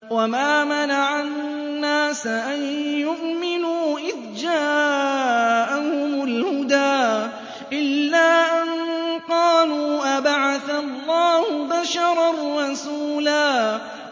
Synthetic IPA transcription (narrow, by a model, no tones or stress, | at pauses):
wamaːmanaʕanː | aːsʔanjʊʔmɪnuːʔɪðd͡ʒaː | ʔahʊmʊlhʊd̪aː | ʔɪlːaːʔannqɑːluːʔabaʕaθalˤːɑːhʊbaʃɑɾˤɑrˤːɑsuːlaː